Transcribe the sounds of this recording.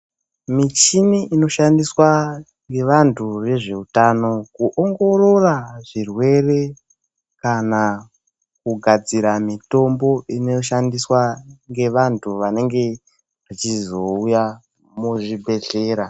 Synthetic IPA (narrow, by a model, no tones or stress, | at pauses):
mit͡ʃiniʔino̞ʃandiswa | ŋɡe̞ʋantʰure̞ʐe̞utano̞kuʔoŋɡo̞ɾo̞raʐirwe̞re̞ | kana | kuɡʱad͡ziɾamito̞mbo̞ineʃandiswaŋɡe̞ʋantʰuʋane̞ŋɡe̞ | ʋit͡ʃizo̞uja | muʐibʱe̞ɮe̞ːɾa